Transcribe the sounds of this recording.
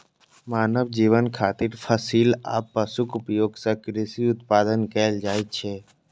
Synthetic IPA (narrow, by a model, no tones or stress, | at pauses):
maːnəʋd͡ʒiʋənkʰaːt̪iɾfʰəsiːla̰ːpːəsukʊpjoːɡsəkɾɪsiʊt̪̚pad̪ənkəld͡ʒaːjt͡ʃʰe